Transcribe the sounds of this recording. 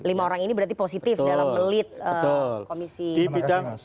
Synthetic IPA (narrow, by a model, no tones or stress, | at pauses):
limaoɾaŋinibəɾart̪iposit̪ɪfdalamːəlɪt̪̚əəʊlkomisiipit̪aŋ